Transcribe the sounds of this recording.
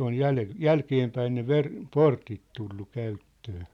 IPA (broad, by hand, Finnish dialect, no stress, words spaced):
oj jæle jælkeːmpæin ne ʋer portit tulːu kæytːøː